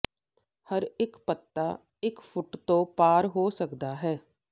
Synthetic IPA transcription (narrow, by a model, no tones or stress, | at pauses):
həɾɪkpət̪ːaː | ɪkpʰʊʈt̪õːpaːɾɦoːsəkd̪aːɦɛː